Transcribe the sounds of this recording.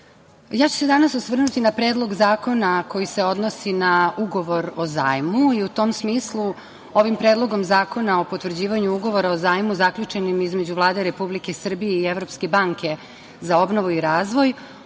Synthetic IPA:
jaːt͡ɕu̥sed̪anasosʋr̩nut̪inapɾeːd̪lˠo̞ɡzaːko̞nako̞jise̞o̞d̪nosinauɡo̞ʋo̞ɾoza̰ːjmuiut̪o̞msmiːslˠu | o̞ʋimpɾeːd̪lˠo̞ɡo̞mzaːko̞nao̞po̞t̪ʋvr̩d͡ʑiːʋaɲuuɡo̞ʋo̞ɾaozaːjmuzakʎut͡ʃe̞nimizme̞d͡ʑuʋlˠaːd̪e̞ɾe̞publike̞sr̩bijeieʋɾo̞pske̞baŋke̞ | zao̞bno̞ʋuiɾaːzʋo̞j

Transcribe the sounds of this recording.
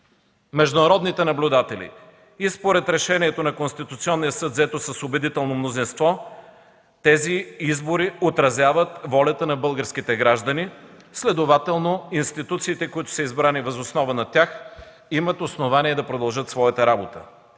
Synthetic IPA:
mɛʒd̪ʊnɐɾɔd̪nit̪ɛnɐblʲʊd̪at̪ɛlḭ | ispoɾɛt̪ɾɛʃɛniɛt̪onɐkonst̪it̪ʊt̪siɔnːijəsɤt̪zɛt̪osɐsobɛd̪it̪ɛlˠnomnozinst̪vɔ | t̪ɛziizboɾiot̪ɾɐzʲavət̪vɔlʲɐt̪ənɐbɤlˠɡəɾskit̪ɛɡɾaʒd̪əni | slɛd̪ovat̪ɛlˠnoinst̪it̪ut̪siːt̪ɛkʊit̪ʊ̥səizbɾanivɐzosnɔvənɐt̪ʲjax | imət̪osnovaniɛd̪ɐpɾod̪ɐlˠʒət̪svɔjɐt̪əɾabot̪ə̰

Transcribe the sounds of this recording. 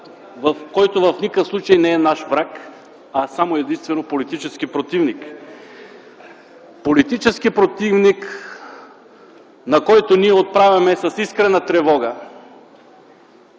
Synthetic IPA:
vɐfkɔjt̪ovɐfnikəfslˠut͡ʃɐjnɛɛnaʃvɾak | ɐsamoɛd̪inst̪vɛnopolit̪it͡ʃɛskipɾot̪ivnik | polit̪it͡ʃɛskipɾot̪ivnik | nɐkɔjt̪oniɛot̪̚pɾavʲjɐmɛsɐsiskɾɛnɐt̪ɾɛvɔɡə

